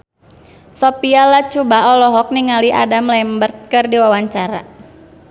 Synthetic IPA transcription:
sɔpialat͡ʃubaɔlɔɦɔk̚niŋaliʔa̰damlɛmbərt̪̚kɨrdiwawaɲt͡ʃaɾa̰

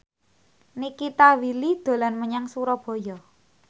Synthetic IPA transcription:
nikit̪awilid̪̥o̤lanməɲaŋsuɾɔb̥ɔ̤jɔ

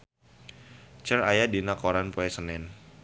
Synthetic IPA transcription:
t͡ʃəɾajadinakoɾanpoɛsənɛn

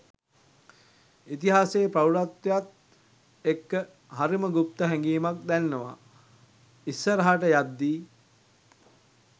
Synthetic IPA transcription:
it̪iɦaːseːpɾawuɾat̪ːejat̪ | ekːə | ɦaɾiməɡup̚t̪əɦɛŋɡiːmak̚d̪ænːəʋa̰ | isːəɾɐɦaʈəjad̪ːiː

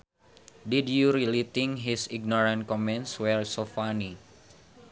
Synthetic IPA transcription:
didjuɾilit̪iŋɦisiɡ̚nɔɾãn̚kɔmɛ̃ntswɛrsofani

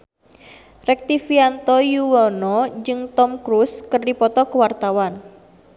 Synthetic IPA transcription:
rɛk̚t̪ifiant̪ɔjuwɔnɔd͡ʒɨŋt̪ɔmkɾuskərdipɔt̪ɔkəwart̪awan

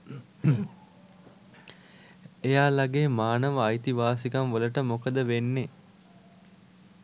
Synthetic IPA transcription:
ejaːlaɡeːmaːnəʋəajt̪iʋaːsikamʋələʈəmokəd̪əʋenːe

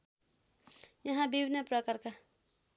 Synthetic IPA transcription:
jʌɦãbibʱinːʌprʌkʌrka

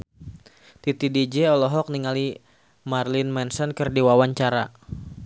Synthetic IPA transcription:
t̪it̪idid͡ʒɛɔlɔɦɔk̚niŋali | marlɪnmɛnsɔnkərdiwawaɲt͡ʃaɾa

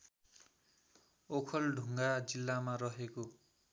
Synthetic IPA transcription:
okʰʌlɖʱuŋɡad͡zilːamarʌɦeko

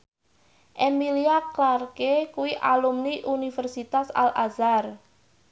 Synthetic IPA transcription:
ʔemiliaklarkekuwiʔalumniʔunifərsit̪asa̰lʔazar

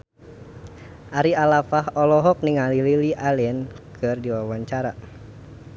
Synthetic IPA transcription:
ʔaɾialafahɔlɔɦɔk̚niŋalililiʔalɛnkʰɨrdiwawaɲt͡ʃaɾa

